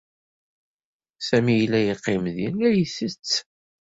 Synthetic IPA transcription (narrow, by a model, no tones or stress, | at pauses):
sæmijlːæjiqːɪmðinæjisət͡sː